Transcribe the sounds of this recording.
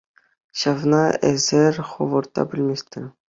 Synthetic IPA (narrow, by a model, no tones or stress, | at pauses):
ɕɑvnɑæ̰zɘɾχovɤɾt̪ɑ̰bɘlʲmʲest̪ɘɾ